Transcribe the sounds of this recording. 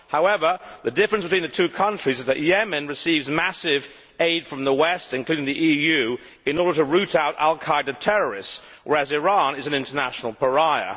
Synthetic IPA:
haʊɛvə˞ðɨdɪfəɹɨ̃nsb̥ɨtʰwĩnðɨtʰʉkʰʌ̃nt͡ʃɹ̥izɨzðɨʔjɛmɨ̃nɹɨsivzmæsɪv | eɪd̥fɹʌ̃mðəwɛstɨ̃nkʰl̥ʉɾɪ̃ŋðiʔijʉ | ɨ̃nɔɹɾə˞ɾəɹʉɾaʊɾæ̰lˠkʰaɪdɨtʰɛɹə˞ɪsts | wə˞ɨzɨɹɑ̃nɨzɨ̃n̩ɪ̃ntə˞næʃn̩l̩ˠpə˞aɪə̰

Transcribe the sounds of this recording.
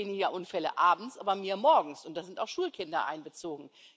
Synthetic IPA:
eːnɪjaʔʊnfɛlə̰ʔaːbm̩t͡sʔaːbɐmiːɐmɔɐɡŋ̩sʊnt̚d̥azɪntaʊxʃuːlkʰɪndɐʔa̰ɪnbət͡soːɡŋ̩

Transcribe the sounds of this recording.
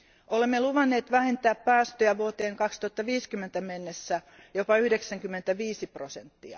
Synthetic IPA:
ʔolemːeluʋɑnːeːt̪ʋæhent̪æːppæːst̪øjæʋuot̪eːŋkɑkst̪uɑt̪ːɑʋiːskymːent̪æmenːesːæ | jopɑyhdeksæŋkymːent̪æʋiːsiprosent̪ːiɑ̰

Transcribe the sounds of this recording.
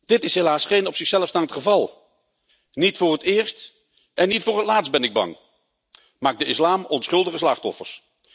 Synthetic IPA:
d̥ɪtɪsɦelaːsχejnɔpsɪχsɛləfstaːntχəvɑlˠ | nitfʊːɹətɪːɹst | ʔɛnːitfʊːɹətlaːtst̚bɛnɪɡ̚bɑ̰ŋ | maːɡ̚dəɪslaːmɔnsχɵlˠdəχəslɑχtɔ̰fə̰ɹs

